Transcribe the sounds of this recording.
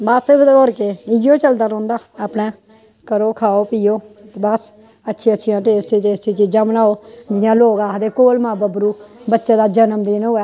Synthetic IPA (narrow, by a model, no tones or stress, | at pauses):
bəsoɾkeɪjoːt͡ʃəld̪aːɾɔ̃ːnd̪aːpnɛ̃ː | kəɾoːkʰaːoːpiːoːbəs | ətːʃʰiətːʃʰijãːʈeːst̪iːt̪eːst͡ʃiːt͡ʃiːd͡ʒãːbənaːoːd͡ʒɪjãːloːɡaːd̪eːkoːlmãːbəbɾuːbətːʃeːd̪aːd͡ʒənəmd̪iːnɦʊːɛː